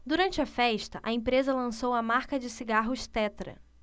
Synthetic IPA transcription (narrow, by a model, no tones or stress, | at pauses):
d̪uɾɐ̃nt͡ʃɪɐfɛʃt̪ɐʔɐẽpɾezɐlɐ̃sowɐmaɾkɐd͡ʒɪsiɡaɦʊʃt̪ɛt̪ɾɐ̰